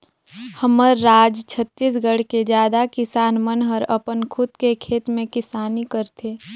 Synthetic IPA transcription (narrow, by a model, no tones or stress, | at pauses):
həməɾːaːd͡ʒt͡ʃʰət̪ːʃis̬ɡəɽ̤ked͡ʒjaːd̪akɪsaːnmənɦəɾɐpənkʰʊt̪kekʰeːt̪mẽkɪsaːnikəɾt̪ʰeː